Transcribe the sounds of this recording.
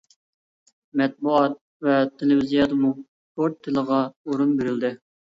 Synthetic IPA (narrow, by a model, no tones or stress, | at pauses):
mɛt̪̚buɑt̪̚ | vɛt̪ʰːelɪvizijɑd̪əmu | poɾt̪ʰːɪləʁɑoɾunbeɾɪld̪ɪ